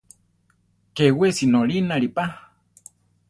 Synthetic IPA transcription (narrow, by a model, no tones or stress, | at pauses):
kewesinoɾinaɾipa